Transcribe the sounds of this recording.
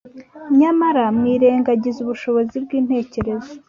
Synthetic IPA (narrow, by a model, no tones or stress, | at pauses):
ɲamaɾamŋiːɾeːŋɡaɟizuβuʃo̞βo̞zibɡiːn̥he̞ːce̞ɾe̞zo